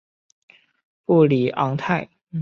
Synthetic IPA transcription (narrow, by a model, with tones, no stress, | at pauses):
pu˥˩li˨˩ʔɑ˧˥ŋt̪ʰa˥˩ɪ